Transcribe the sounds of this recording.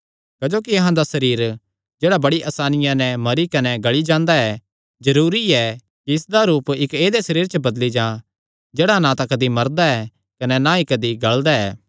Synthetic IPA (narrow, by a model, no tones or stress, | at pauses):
kɐd͡ʒoːkiɐɦãd̪asɐɾiːɾ | d͡ʒeːɽabɐɽiʔɐsaːnɪjãnɛmɐɾikɐnɛɡɐɭid͡ʒãːnd̪aɛ | zɐɾuːɾiɛ | kiɪsd̪aɾuːpɪkeːd̪esɐɾiːɾt͡ʃəbɐd̪lid͡ʒãː | d͡ʒeːɽanãt̪ãkɐd̪imɐɾd̪aɛ | kɐnɛnãikɐd̪iɡɐɭd̪aɛ̰ː